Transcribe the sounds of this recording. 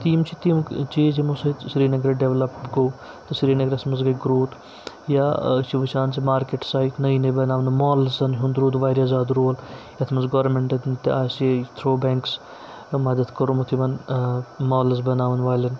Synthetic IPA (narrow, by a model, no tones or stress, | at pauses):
t̪iːmt͡ʃʰit̪iːmt͡ʃiːzimusesɾiːnɐɡɾeɖeʋlɐpɡou | t̪ɐsɾiːnɐɡɾɐsmɐsɡɐɡɾoːt̪ | jat͡ʃiʋɐt͡ʃʰaːnsimaːɾkeʈsaːjtnɐinebɐnaːʋɐnmoːlsɐnɦund̪ɾuːd̪ʋaːɾʲjazaːd̪ɾoːljɐt̪ʰmɐsɡɐʋɾmeɳʈɐd̪nt̪eaːset̪ʰɾoːbeːŋks | mɐd̪ɐt̪kɐɾumut̪ʰiʋɐn | moːlzbɐnaːʋɐnʋaːlɐn